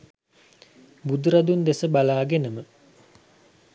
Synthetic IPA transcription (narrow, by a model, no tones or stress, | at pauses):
bud̪uɾɐd̪und̪esəbalaːɡenəmə